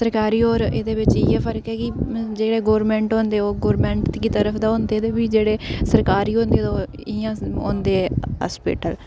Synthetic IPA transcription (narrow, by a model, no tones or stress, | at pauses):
səɾkaːɾiːoːɾḛːd̪eːʋɪt͡ʃɪːɛ̃ːpʰəɾəkɛːkɪd͡ʒeːɽeːɡoːɾmɛ̃ːɳʈɦõːnd̪eːoːɡoːɾmɛ̃ːɳʈt̪kiːt̪əɾəpʰd̪aːɦõːnd̪eːd̪eːbiːd͡ʒeːɽeːsəɾkaːɾiːɦõːnd̪eːd̪oː | iãːõ̰ːnd̪eːɛːɦa̰ːspḭːʈəl